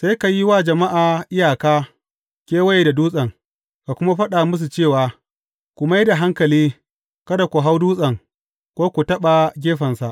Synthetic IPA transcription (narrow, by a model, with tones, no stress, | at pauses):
sa˦jka˨ji˦waː˦d͡ʒɐ˨ma˦ʔaː˨ʔɪ˦jaː˨kaː˦ | kʲeː˦wɐ˦je˨da˨duː˦sʼɐ˨ŋ | ka˨kʷʊ˦ma˦ɸɐ˦ɗa˨mʊ˦s̬u˨t͡ʃeː˦˨waː˨ | kʷu˨ma˦jda˨ɦa˦ŋkɐ˨liː˦ | kɐ˦da˨kʷu˨ɦa˦wduː˦sʼɐ˨ŋ | kʷoː˦kʷu˨tɐ˦ɓa˨ɡʲeː˦ɸɐ˨nsa˨ʔ